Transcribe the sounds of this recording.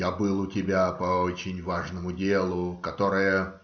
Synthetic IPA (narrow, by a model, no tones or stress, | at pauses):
jabɨlˠʊtʲɪbʲapɐot͡ɕɪnʲvaʐnəmʊdʲelˠʊkɐt̪o̞ɾɨjə